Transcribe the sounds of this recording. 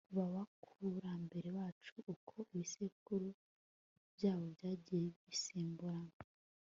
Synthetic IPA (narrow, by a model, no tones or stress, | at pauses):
kuβaβakʰuɾambe̞ɾe̞waːt͡ʃuʔːkʰo̞ʔiβisekuɾu | bjaːβo̞bɟaːɟijeβiseːmbuɾaŋ